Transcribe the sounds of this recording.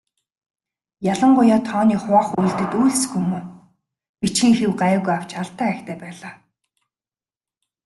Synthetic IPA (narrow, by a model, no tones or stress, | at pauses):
jaɮə̆ɴɢʊjaːt̪ʰɔːniːχʊaːχujɮt̪ɘ̆t̪ujɮsxumuː | pit͡ɕxĭːŋxewɢăːɣujaw̥t͡ɕaɬt̪ːæːæːxt̪ʰæːpæːɮaː